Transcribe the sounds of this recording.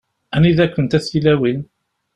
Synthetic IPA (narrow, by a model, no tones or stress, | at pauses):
æniðækʷːənt̪æθilæwin